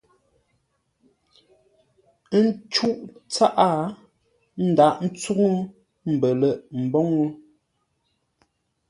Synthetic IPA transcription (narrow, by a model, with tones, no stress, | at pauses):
n̩˦t͡ʃu˦ʔt͡sa˦ʔa˦˨ | n̩˦˨da˦˨ʔn̩˦t͡su˦ŋu˦ | m̩˨bə˨lə˦˨ʔm̩˨bɔ˦ŋu˦